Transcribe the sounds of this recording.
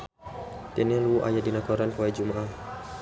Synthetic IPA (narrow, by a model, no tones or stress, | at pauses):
t̪ɛnialuuʔa̰jat̚dinakɔɾankuwajd͡ʒumaʔah